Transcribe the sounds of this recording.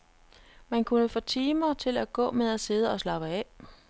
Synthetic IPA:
mænkʰunəfɔ̽ːt͡sʰiːmɐt͡sʰe̝læɡ̥ɔ̰̽ːmeðˠæse̝ð̞ˠəɒ̽slɑ̈b̥əɛ

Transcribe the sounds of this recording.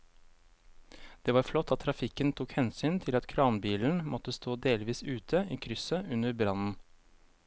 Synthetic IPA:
d̪̥eːʋɑːɾflɔt̪ʰːɑt̪ʰːɾɑfɪkənt̪ʰukhɛnsyːnt̪ʰɪlɑt̪kʰɾɑːnbiːln̩mʔɔt̪əst̪ʰoːd̪eːlʋiːsʉːt̪ʰəiːkʰɾʏsəʔʉnəɾbɾɑnn̩

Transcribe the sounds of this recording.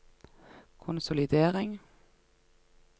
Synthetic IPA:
kʰʊnsʊlɪd̪eːʁɪŋ

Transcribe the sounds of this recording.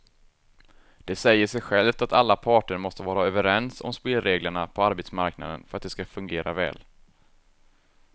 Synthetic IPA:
d̪̥ɛsɛjːəʂɛjɧɛlft̪at̪alːapʰɑːʈəɾmɔst̪əvɑːɾaœːvəɾɛnsɔ̰mspeːlɾeːɡləɳapʰɔaɾbet̪smaɾkna̰d̪ə̰nfœɾat̪̚d̪ɛskafɵŋɡeːɾʔavɛ̰ːl

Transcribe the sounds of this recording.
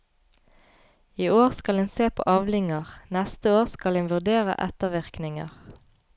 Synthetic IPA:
iːoːʁskɑlɛnseːpʰo̰ːʔɑːʋlɪŋəʁnɛst̪əoːʁskɑlɛnʋʉʁd̪eːʁə̰ʔɛt̪əʋɪʁknɪŋə̰ʁ

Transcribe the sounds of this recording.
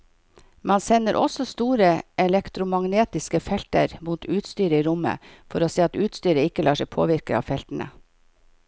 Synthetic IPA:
mɑnsɛnːəɾʔɔ̰sɔst̪uːɾəʔɛlɛkt̪ɾʊmɑŋneːt̪ɪskəfɛlt̪ə̰ɾmuːt̪ʉːt̪st̪yːɾəiːɾʊmə̰fɔɾoːseːɑt̪ʉːt̪st̪yːɾəɪkəlɑːʂɛɪpʰo̰ːʋɪɾkəɑ̰ːʋfɛlt̪n̩ə̰

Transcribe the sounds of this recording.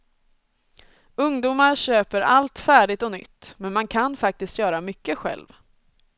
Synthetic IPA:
ɵŋd̪uːmaɾɕøːpəɾalt̪fæːɖɪt̪ɔnʏ̰t̪ːmɛnmankʰanfak̚t̪ɪst̪jœːɾamʏkːəɧɛ̰lv

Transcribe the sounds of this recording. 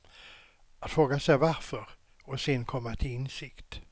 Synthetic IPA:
at̪fɾoːɡasɛjvaɾfœɾ | ɔsɪnkʰɔmːat̪ʰɪlɪnsɪkt̪

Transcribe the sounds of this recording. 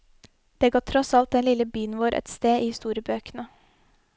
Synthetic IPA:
d̪̥eːɡɑt̪ʰːɾɔsɑlt̪̚ɛnlɪləbyːənʋoːɾʔɛ̰t̪st̪eːʔiːhɪst̪uːɾjəbøːkənə

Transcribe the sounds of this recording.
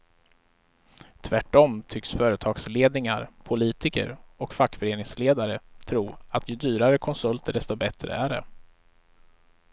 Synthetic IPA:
t̪ʰvæʈːɔmt̪ʰʏksfœːɾət̪ʰɑːɡsleːd̪nɪŋaɾpʰʊliːt̪ɪkə̰ɾɔkfakːfœɾeːnɪŋsleːd̪aɾət̪ʰɾuːat̪ʰjɵd̪yːɾaɾəkʰɔnsɵlt̪əɖɛst̪ɔbɛt̪ɾə̰æɖɛ̰

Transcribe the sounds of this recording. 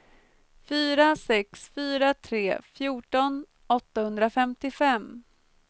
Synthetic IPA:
fyːɾasɛksfyːɾat̪ʰɾeːfjuːʈɔn | ɔt̪ːahɵnd̪ɾafɛmt̪ɪfɛm

